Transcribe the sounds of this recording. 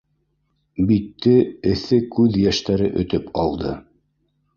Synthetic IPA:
bit̪ːɘɘ̆θɘkʉðjæʃt̪æɾɘʔɵ̆t̪ɵpʰɑ̰lˠd̪ɤ

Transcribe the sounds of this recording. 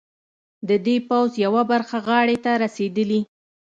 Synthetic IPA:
d̪əd̪epawzjawabaɾxaɣɑɽet̪aɾased̪əli

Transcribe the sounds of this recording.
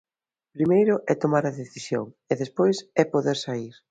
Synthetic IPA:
pɾimejɾʊʔɛt̪omaɾɐðeθisjo̰ŋ | eðespojsɛpoðeɾsaiɾ

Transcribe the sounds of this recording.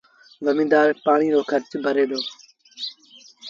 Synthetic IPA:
ʋəmĩːd̪aːɾpaːɳ̃iːɾoːkʰəɾt͡ʃbʱəɾeːd̪oː

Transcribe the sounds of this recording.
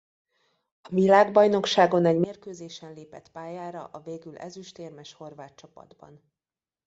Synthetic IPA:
ɒvilaːɡbɒjno̞kʃaːɡo̞nɛɟmeːrkøːzeːʃɛnleːpɛt̪paːjaːɾɒ̰ʔɒveːɡylɛ̰zyʃt̪eːrmɛʃho̞rvaːt̪t͡ʃɒpɒ̰d̪bɒ̰n

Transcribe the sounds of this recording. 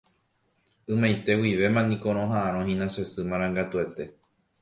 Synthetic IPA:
ɨ̃mãjt̪e̞wiʋe̞mãnĩkõ̞ɾ̃õɦãʔãɾ̃õɦĩnãʃesɨmãɾ̃ãŋɡat̪ue̞t̪e̞

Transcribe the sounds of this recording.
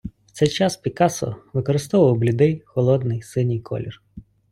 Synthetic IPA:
w̥t̪sɛjt͡ʃɑspʲikɑsɔ̰ʋɪkɔɾɪst̪ɔʋɐwblʲʊd̪ɛjxɔlˠɔd̪nɪjsɪnʲijkʰɔ̰lʲir

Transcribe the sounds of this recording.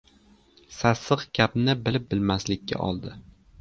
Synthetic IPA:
sasɨqkʲʰapnɪbɪlɪp̚bɪlmaslɪkʲʰːa̰ʔɒ̰lˠd̪ɪ

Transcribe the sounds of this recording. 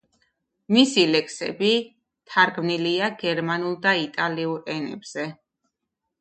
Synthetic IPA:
misilɛkʰʼsɛ̰bi | t̪ʰaɾɡmniliaɡɛɾmanulˠd̪ait̪ʼaliuɾɛnɛ̰bz̥ɛ

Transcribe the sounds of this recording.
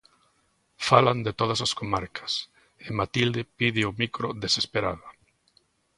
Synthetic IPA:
faland̪et̪oð̞ɐsaskomaɾkʰɐ̥s | ɪmat̪ild̪epiðɪomikɾoðesespeɾaðo

